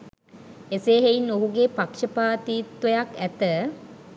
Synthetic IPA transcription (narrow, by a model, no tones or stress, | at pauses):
eseːɦeinːoɦuɡeːpakʂəpaːt̪iːt̪ʋəjakæt̪ə